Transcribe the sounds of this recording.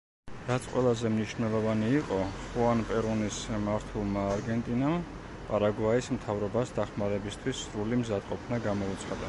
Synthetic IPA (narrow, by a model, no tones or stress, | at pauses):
ɾat̪sʰqʼwɛlˠazɛmniʃnɛlˠɔvaniːqʼɔχuanpʼɛɾunismaɾt̪ʰɛlˠmaːɾɡɛnt̪ʼinam | pʼaɾaɡwaismt̪ʰavɾɔbasd̪aχmaɾɛbist̪ʰwisːɾulimzad̪qʼɔpʰnaɡamɔut̪sʰχad̪a